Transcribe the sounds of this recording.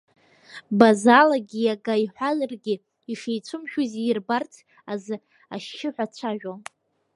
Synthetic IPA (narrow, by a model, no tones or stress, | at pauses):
bazalaɡʲijaɡaiħʷazɨrɡʲɪ | iʃejt͡sʷʰʊmʃᶣuzirbartʰ | azɨ | aʃːɪħʷᶣat͡ɕʷʰaʒᶣo